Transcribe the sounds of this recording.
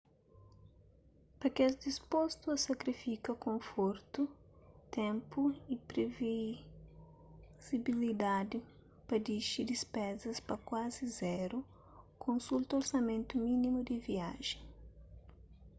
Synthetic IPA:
pɐkɛzd̪ispost̪uɐsɐkɾifikɐkõfoɾt̪ʊt̪ẽmpʊipɾevi | z̥ibilid̪ad̪ɪ | pɐd̪iʃid̪ispɛzɐspɐkwazɪzɛɾʊ | kʰõnsult̪oɾsɐmẽnt̪ʊmĩnĩmʊd̪ɪviaʒẽ

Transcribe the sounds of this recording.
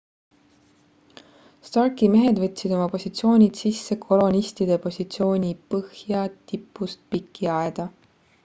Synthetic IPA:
st̪ɑrkime̞ɦe̞d̪vɤt̪ʲˑːsid̪o̞mɑpo̞sʲit̪sio̞ːnʲid̪̥sisːekʰo̞lo̞nʲist̪id̪̥e̞po̞sʲit̪sio̞ːnʲipɤhjɑt̪ipːˑust̪̚pikʰːiɑed̪̥ɑ

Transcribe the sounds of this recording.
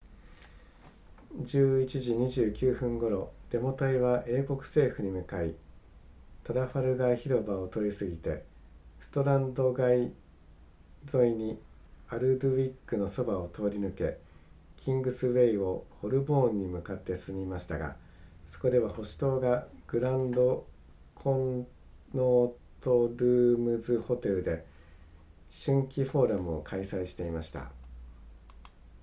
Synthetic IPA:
d͡ʑɨːit͡ɕiʑiɲ̟iʑɨːkʲɨːɸɯ̟̃ŋɡo̞ɾo̞d̪̥e̞mo̞t̪aiβaʔe̞ːko̞kɯ̟̥se̞ːɸɯ̟ɲ̟imɯ̟kai | t̪o̞ɾaɸaɾɯ̟ɡaiçiɾo̞bao̞t̪o̞ɾʲisɨɡʲit̪e̞sɨ̥t̪o̞ɾãnd̪o̞ɡai | zo̞iɲ̟i | aɾɯ̟d̪ɯ̟βikːɯ̟no̞so̞bao̞t̪ʰo̞ːɾʲinɯ̟ke̞kʲʰĩŋɡɯ̟sɨβe̞io̞ho̞ɾɯ̟bõ̞ːɲ̟ːimɯ̟kat̪ːe̞sɨmʲimaɕi̥t̪aɡa̰ | so̞̥ko̞d̪e̞β̞aho̞ɕi̥t̪o̞ːɡaɡ̥ɯ̟ɾãnd̪o̞ | kʰõ̞n | noːt̪o̞ɾɯ̟ːmɯzɨho̞t̪e̞ɾɯ̟d̪e̞ | ɕɨ̃ŋkʲiɸo̞ːɾamɯ̟o̞̰kʰaisaiɕi̥t̪e̞imaɕi̥t̪a̰

